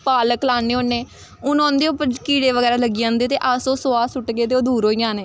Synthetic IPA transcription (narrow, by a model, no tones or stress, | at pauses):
paːləklaːneːoːnːeː | ʊnɔ̃ːnd̪eːoːpəkiːɽeːʋəɡɛːɾaːləɡijãːnd̪eːt̪eːʔaːsoːsoːaːsʊʈɡeːt̪̬eːoːd̪uːɾɦoːjãːneː